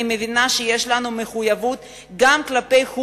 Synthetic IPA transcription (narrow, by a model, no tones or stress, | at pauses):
ime̞vinaʃeje̞ʃlanume̞χujavut̪ | ɡamklape̞jhu